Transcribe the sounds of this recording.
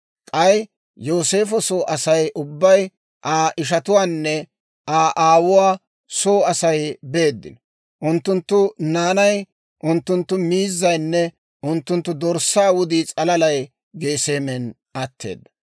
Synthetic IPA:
kʼɐj | jo̞ːse̞ːfɔsoːʔɐsɐjʔʊbːɐj | ʔaːʔɪʃ̬ɐt̪ʊwaːnːɛ | aːʔaːwʊwaː | soːɐsɐjbe̞ːd̪ːɪ̰nɔ | ʔʊnt̪ːʊnt̪ːʊnaːnɐj | ʔʊnt̪ːʊnt̪ːʊmiːzːɐjnːɛ | ʔʊnt̪ːʊnt̪ːʊd̪ɔɾsaːwʊd̪iːt͡sʼɐlɐlɐj | ɡe̞ːse̞ːmɛn | ɐt̪ʰːe̞̰ːd̪ːɐ

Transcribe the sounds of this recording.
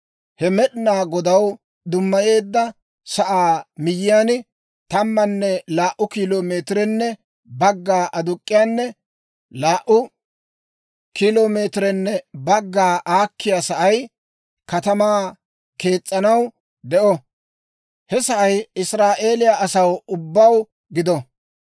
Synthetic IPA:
hɛmɛɗɪnaːɡɔd̪ɐw | d̪ʊmːɐje̞ːd̪ːɐ | sɐʔaːmɪjɪjaːnɪ | t̪ɐmːɐnːɛlaːʔʊkiloːmeːt̪ɾɛnːɛ | bɐɡːaːʔɐd̪ʊkʼːɪjaːnːɛ | laːʔʊ | kiloːmeːt̪ɾɛnːɛbɐɡːaːʔaːkːɪjasɐʔɐj | kɐt̪ɐmaː | ke̞ːt͡sʼːɐnɐw | d̪ɛʔɔ | hɛsɐʔɐjɪsɾaːʔe̞ːlɪjaʔɐsɐwʊbːɐw | ɡɪd̪ɔ

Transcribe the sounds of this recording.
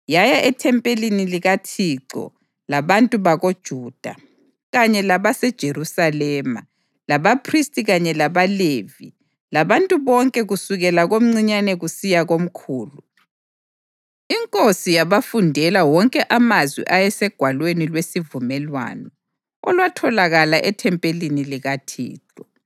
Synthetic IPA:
jajaʔɛtʰɛmpʼeliniliɣatʰiǁɔ̰ | laβantʼuβaɣod̥ʒ̥ʱuːd̥ʱa̰ | ɣaɲɛlaβasɛd̥ʒ̥ʱeɾusalɛːma̰ | laβapʰristʼiɣaɲɛlaβalevi | laβantʼuβɔŋkʼɛɣusuɣɛlaɣom̩ŋ͡ǀiɲanɛɣusijaɣom̩kʰuːlu | iŋkʼosijaβafundʱɛlawɔŋkʼɛʔamazwḭʔajɛsɛɡ̥ʱwalwenilwesivumɛlwa̰ːnɔ | ɔlwatʰɔlaɣalaʔɛtʰɛmpʼeliniliɣatʰḭːt͡ɬʼɔ

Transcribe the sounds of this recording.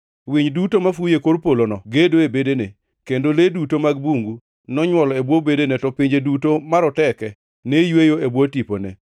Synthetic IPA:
wiɲdutomafujekoɾpolonɔɡedoebedene | kendoledutomaɡbuŋɡu | nɔɲwɔlɔebwobedenɛtɔpiɲd͡ʒedutomaɾɔtɛkɛ | nejwejoebwotiponḛ

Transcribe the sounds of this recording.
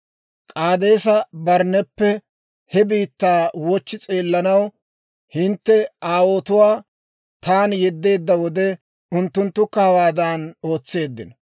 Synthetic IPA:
kʼaːd̪e̞ːsɐbɐɾnɛpːɛ | hɛbiːt̪ːaːwɔt͡ʃːɪt͡sʼeːlːɐnɐw | hɪnt̪ːɛaːwo̞ːt̪ʊwaː | t̪aːnjɛd̪ːe̞ːd̪ːɐwɔd̪ɛ | ʊnt̪ːʊnt̪ːʊkːɐhɐwaːd̪aːno̞ːt͡sːe̞ːd̪ːɪnɐ

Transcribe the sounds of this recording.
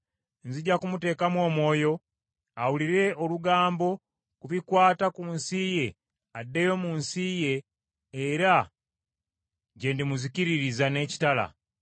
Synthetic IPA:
nziɟakumute̞ːkamwo̞ːmwo̞ːjo̞ | awuliɾe̞oluɡaːmbo̞ | kuβikwaːtakunsije̞ | adːe̞jo̞munsije̞ː | ɾa | ɟe̞ndimuziciɾiɾizane̞ci̥tala̰

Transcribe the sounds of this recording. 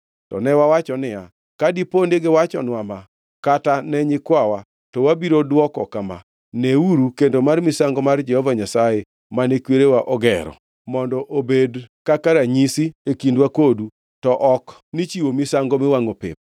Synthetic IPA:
tɔ̰nɛwawat͡ʃɔnɪja | kadipondeɡɪwat͡ʃɔ̰nwama | katanɛɲɪkwawa | tɔwabiɾodwɔkɔkama̰ | neuɾukendomarmisaŋɡɔmard͡ʒɛhɔvaɲasaje | manekweɾewaʔɔɡɛ̰ɾɔ̰ | mɔndɔʔobedkakaɾaɲisiekindwakodu | tɔʔɔk | nit͡ʃiwomisaŋɡomɪwaŋopɪ̰p̚

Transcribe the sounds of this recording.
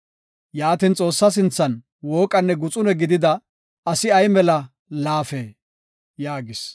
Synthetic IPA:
jaːt̪int͡sʼo̞ːsːɐs̬ɪnt͡sːɐn | woːkʼɐnːɛɡʊt͡sʼʊnɛɡɪd̪ɪd̪ɐ | ɐsɪɐjmɛlɐ | laːfeː | jaːɡɪs

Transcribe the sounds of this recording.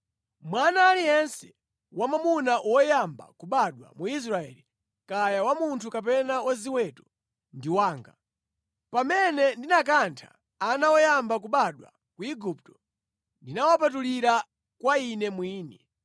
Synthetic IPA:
mwanaːlijɛnsɛ | wamamunaʔɔjamba̰kuɓaɗwa̰muis̬ɾaɛ̰ːli | kajawamuntʰukap̬ɛnawaziwɛtɔ̥ | ndiwaːŋɡa | pamɛnɛndinak̬antʰḁ̰ː | nawɔjambak̬uɓaɗwa̰ | kuiɡup̚tɔ̥ | ndinawap̬at̬uliɾa | kwainɛmwiːnɛ

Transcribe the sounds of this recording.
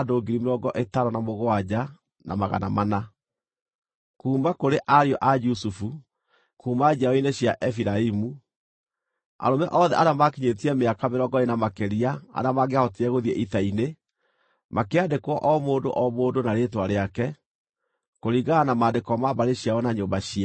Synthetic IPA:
adoːɡiɾimeɾɔɡɔʔetaɾɔnamoɣoad͡ʑa | nʔa̰maɣa̰na̰mana | kuːmbakoɾeʔaɾiɔʔad͡ʒusufu | kuːmbad͡ʑiaɔineɕjaʔɛfiɾaimu | a̰ɾomɛʔɔðɛ̰ʔaɾamakiɲetiɛmeakameɾɔɡɔenamakeɾiaa̰ɾamaɡeahɔtiɛɣoðiɛʔitaine | makeandekwɔʔɔmoːndo̰ʔɔmoːdonaɾeːtwaɾeakɛ | koɾiɣanamaːndekɔmaβaɾeɕiawɔnaɲoːmbaɕia

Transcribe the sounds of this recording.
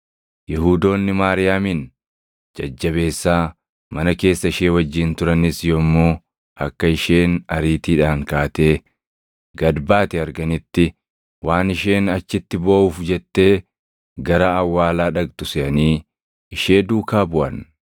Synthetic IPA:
jɪɦuːd̪o̞ːnːɪmaːɾɪjaːmin | d͡ʒɐd͡ʒːɐβe̞ːsːaː | mɐnɐke̞ːsːɐɪʃeːwɐd͡ʒːɪnt̪ʊɾɐnɪsjɔmːoː | ɐkːɐɪʃe̞ːnɐɾiːt̪iːᶑaːŋkaːt̪e̞ː | ɡɐd̪baːt̪ɛɐɾɡɐnɪt̪ːɪ | waːnɪʃe̞ːnɐt͡ʃːɪt̪ːɪboːʔuːfd͡ʒɛt̪ːe̞ː | ɡɐɾaːwːaːlaːᶑɐɡt̪ʊsɪʔɐniː | ɪʃe̞ːd̪uːkaːbʊʔɐn

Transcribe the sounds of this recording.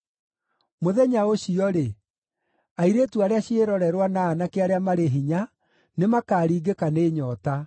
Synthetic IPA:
moðɛɲaoɕiɔɾe | aiɾeːtuaɾeaɕeɾɔɾɛɾwanaːnakeaɾeamaɾeɦiɲa | nemakaːɾiːɡekaneːɲɔta

